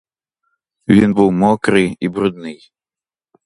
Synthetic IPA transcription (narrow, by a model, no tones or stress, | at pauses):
vʲinbɨwmɔkɾɨibɾud̪̚nɨj